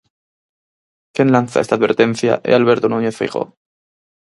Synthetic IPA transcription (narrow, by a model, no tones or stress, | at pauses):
kjenlanθa̰est̪aðβe̞ɾt̪e̞n̟θja̰ʔḛalβe̞ɾt̪onuɲeθfḭɣo̰